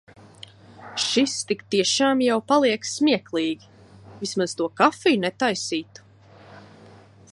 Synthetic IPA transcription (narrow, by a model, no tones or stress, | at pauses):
ʃist̪ikt̪iɛʃaːmjawpalˠiɛkssmʲiɛklˠiːɡʲi | vismaz̥t̪uɔkafiːnɛt̪ajsiːt̪u̥